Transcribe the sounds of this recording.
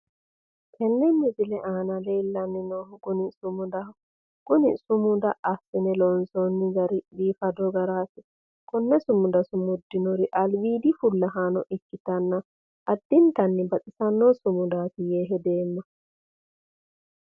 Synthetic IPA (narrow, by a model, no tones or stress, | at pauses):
kʰɛnːɛmɪzɪlɛʔaːnɐleːlːɐnːɪnoːhɡʊnɪsʊmʊd̪ɐ | ɡ̥ʊnɪsʊmʊd̪ɐʔɐsɪnɛlɔnsɔnːɪɡɐɾɪbiːfɐd̪ɔɡɐɾaːsɪ | kʼɔnːɛsʊmʊd̪ɐsʊmʊd̪ːɪnɔɾɪʔɐlwiːd̪ɪfʊlːɐɦaːnɔʔɪkːɪt̪ɐnːɐ | ʔɐd̪ːɪnt̪ɐnːɪbɐt̪ʼɪsɐnːosʊmʊd̪aːsɪjeːɦɛd̪e̞ːmːɐ